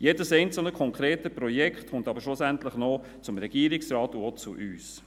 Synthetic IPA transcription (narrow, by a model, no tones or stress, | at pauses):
jedəsɛɪnt͡sl̩ˠnəkʰɔŋkʰɾeːtəpɾɔjɛkχtχʊntɑbəɾʃlʊsæntləχnɔ | t͡sʊmɾɛɡ̥iːɾɪksɾɑːtuot͡suʔyːs